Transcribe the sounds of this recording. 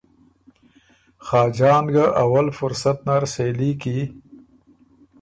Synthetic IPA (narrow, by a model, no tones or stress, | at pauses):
xɑːd͡ʒɑːnɡaʔawalfʊɾsat̪naɾsejliki